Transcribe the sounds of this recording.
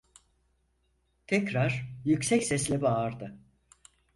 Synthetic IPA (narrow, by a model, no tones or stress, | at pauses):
t̪ʰɛcɾaɾ̥jycsɛcsɛslʲɛbaːɾd̪ɯ